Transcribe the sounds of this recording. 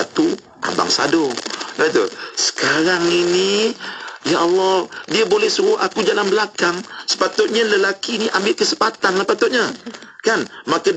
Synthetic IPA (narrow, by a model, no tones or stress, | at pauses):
a̰t̪u | ʔa̰ba̰ŋsa̰doat̪ṵsə̥kaɾaŋini | jaʔɔlːɔdiabolɛhsuɾʊʔakud͡ʒalanbəlakaŋsə̥pat̪ʊt̪̚ɲaləlakiːniʔambɪʔkəsəpat̪anlahpat̪ʊt̪̚ɲakanmaka